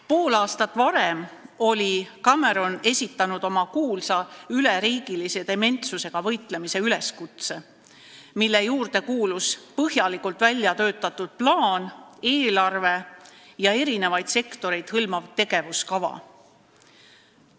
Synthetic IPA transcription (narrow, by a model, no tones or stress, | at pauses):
po̞ːlɑːst̪ɑt̪ːˑvɑɾe̞mo̞lʲikɑme̞ɾo̞ne̞sʲit̪ːˑɑnud̪̥o̞mɑkuːlsɑyleɾiːɡilise̞d̪̥e̞me̞nt̪suse̞ɡ̥ɑvɤ̞jt̪ˑle̞mise̞yle̞skut̪se̞ | milːe̞juːrd̪̥e̞kuːluspɤhjɑlikult̪ːˑvælʲjɑt̪ø̞ːt̪ːˑɑt̪ːud̪̥̚plɑːne̞ːlɑrve̞jɑe̞ɾine̞vɑjd̪̥se̞kt̪o̞ɾe̞jd̪̥hɤlmɑvt̪e̞ɡ̥e̞vuskɑvɑ̰